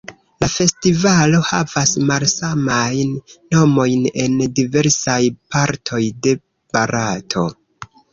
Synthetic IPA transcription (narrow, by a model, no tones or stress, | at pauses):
lafe̞stivalo̞ha̰vasmalsamajnːo̞mo̞jne̞ndive̞ɾsajpaɾtʰo̞jde̞ | b̥aɾatʰo̞